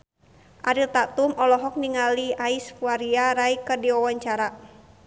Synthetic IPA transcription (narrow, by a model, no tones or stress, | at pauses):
ʔaɾilt̪at̪umɔlɔɦɔk̚niŋaliaisfuaɾiaɾaikɨrdiɔwaɲt͡ʃaɾa